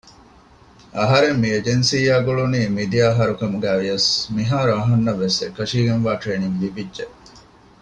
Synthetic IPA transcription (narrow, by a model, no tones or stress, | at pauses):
ɐɦɐɾemːied͡ʒensiːjaːɡoɭuniːmid̪ijaːɦɐɾukɐmuɡæːʋijɐsmiɦaːɾuɐɦɐnːɐʋesekːɐʃiːɡenʋaːʈɾeːniŋlibidʒe